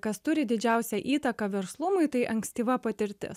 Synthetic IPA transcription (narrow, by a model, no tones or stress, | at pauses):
kɐst̪ʊɾʲɪd̪ʲɪd͡ʒʲæˑʊsʲɛʔiːt̪ɐkɐʋʲɛɾslˠʊmʊɪt̪ɐɪʔɐŋksʲt̪ʲiːʋɐpɐt̪ʲɪɾʲt̪ʲɪ̰s